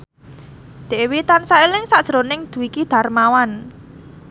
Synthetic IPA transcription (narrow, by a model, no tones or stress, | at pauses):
d̪̥e̤ʔwit̪ansailɪŋsad̥ʒ̥ɾonɪŋd̪̥ṳwikid̪̥ä̤rmawan